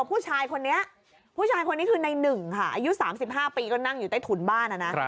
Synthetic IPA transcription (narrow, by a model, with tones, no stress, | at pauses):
pʰuː˥˩t͡ɕʰaː˧jkʰo˧nːi˦˥ɐʔ | pʰuː˥˩t͡ɕʰaː˧jkʰo˧nːiː˦˥kʰɯː˧na˧jnɯ˨˩ŋkʰa˥˩ʔaː˧ju˦˥saː˩˦msi˨˩p̚ɦaː˥˩piː˧kɔː˥˩na˥˩ŋju˨˩t̪a˥˩t̪ʰu˩˦nbaː˥˩na˨˩na˦˥